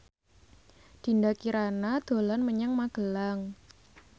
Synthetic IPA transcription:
d̪̥i̤ndakiɾanad̪̥o̤lanməɲaŋmaɡ̥əlaŋ

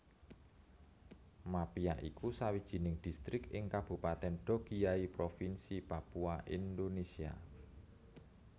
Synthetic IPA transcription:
mapiaʔikusawid̥ʒ̥i̤nɪŋd̪̥i̤st̪ɾɪkɪŋkab̥ṳpat̪ɛnɖ̪̥o̤ɡ̥ijaipɾofinsipapuaʔind̪onesia̰

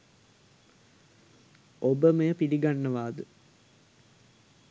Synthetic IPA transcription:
obəməjəpiliɡanːəʋaːd̪ə

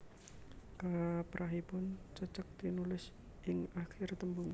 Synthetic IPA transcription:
kapɾʔaɦipʊnt͡ʃət͡ʃək̚t̪inulɪs | ʔɪŋaxɪrt̪əmbʊŋ

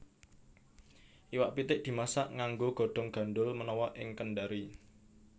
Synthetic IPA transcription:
ʔiwaʔpit̪ɪʔ̚d̪̥i̤masaʔŋaŋɡoɡ̥ɔ̤ɖ̪̥ɔ̤ŋɡ̥ä̤nɖʊlmənɔwɔʔɪŋkəɳɖaɾi

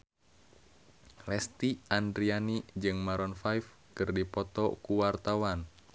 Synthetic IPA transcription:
lɛst̪iʔandɾianid͡ʒɨŋmaɾɔnfajf | kɨrdipɔt̪ɔkuwart̪awan

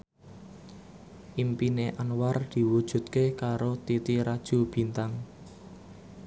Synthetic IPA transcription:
ʔimpineʔanward̪̥i̤wud̥ʒ̥ṳt̪kekaɾot̪it̪iɾad̥ʒ̥ṳb̥i̤nt̪aŋ

